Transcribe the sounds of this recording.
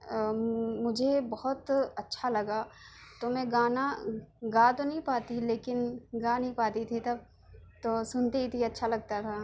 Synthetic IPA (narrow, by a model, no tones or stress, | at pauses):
mʊd͡ʒʱebɐɦɔt̪ɐtːʃʰalɐɡat̪omɛ̃ɡaːnaɡãːt̪onɐɦĩpaːt̪ileːkɪnɡãːnɐɦĩpaːt̪it̪ʰit̪ɐb̚ | t̪oːsʊnt̪it̪ʰiɐtːʃʰalɐɡ̚t̪at̪ʰa